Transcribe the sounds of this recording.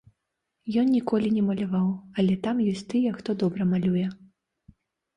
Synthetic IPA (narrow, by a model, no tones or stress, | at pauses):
jɔnnʲikɔlʲinʲɛmɐlʲavawɐlʲɛt̪amjɔsʲt̪ɨjɛxt̪ɔd̪ɔbɾɐmalʲujɛ